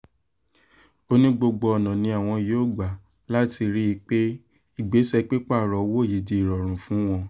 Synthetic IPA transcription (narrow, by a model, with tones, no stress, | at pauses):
o˦nĩ˦ɡ͡bo˧ɡ͡bo˧ɔ˨nã˨nĩ˧a˨w̃ɔ̃˧joː˦˨ɡ͡ba˨ | la˦ti˧ɾi˦i˧k͡pe˦ | i˦˨ɡ͡be˨˦sɛ˧k͡pe˦k͡pa˦˨ɾɔ˨wo˦˨ji˨d͡ʒe˧i˨ɾɔ˨ɾ̃ũ˨fũ˨˦w̃ɔ̃˧